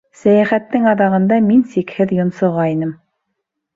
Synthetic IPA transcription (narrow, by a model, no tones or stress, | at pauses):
sæjæχæt̪ːɘŋɑðɑʁɤ̆nd̪ɑminsikhɘðjŏnsɤ̆ʁɑinɘm